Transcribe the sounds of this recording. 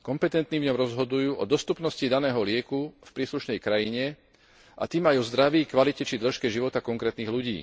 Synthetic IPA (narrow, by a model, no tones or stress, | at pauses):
kɔmpɛt̪ɛnt̪nivɲɔmɾɔzɦɔd̪ujuːʔɔd̪ɔst̪upnɔscid̪anɛːɦɔlɪɛkufpɾiːsluʃnɛjkɾajiɲɛ | ʔa̰t̪iːmajɔzd̪ɾaʋiːkʋalicɛt͡ʃid̪lɛʃkɛʒiʋɔt̪akɔŋkɾɛːt̪niːɣluɟḭː